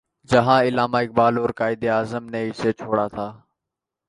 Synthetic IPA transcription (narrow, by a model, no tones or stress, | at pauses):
d͡ʒɐɦãːɪlaːmaːɪk̚baːloːɾkaːɪd̪eaːzəmneːiset͡ʃʰoːɽat̪ʰaː